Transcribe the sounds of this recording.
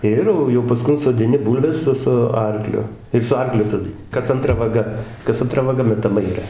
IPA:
ˈɪr jɛʊ jɛʊ pɐˈskʊn soːdʲɪˈnʲɪ ˈbuːlʲʋʲɛs ˈsʊ sʊ ˈɐrklʲʊ ɪr sʊ ˈɐrklʲʊ soːdʲɪˈnʲɪ ˈkɐs ɐnˈtrɐ ʋɐˈɡɐ kɐs ɐnˈtrɐ ʋɐˈɡɐ mʲɛtɐˈmɐ iːˈrɐ

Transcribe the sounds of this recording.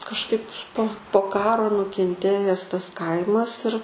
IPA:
kɐʃˈkɐɪp poː poː ˈkɑːroː nʊkʲɛnʲˈtʲeːjɛs tɐs ˈkɐɪmɐs ɪr

